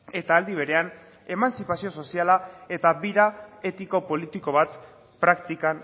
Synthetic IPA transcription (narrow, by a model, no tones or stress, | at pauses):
e̞t̪aːld̪iβ̞e̞ɾe̞an | e̞mansipasio̞so̞sialae̞t̪aβiɾae̞t̪iko̞po̞lit̪iko̞βat̪ | pɾakt̪ikan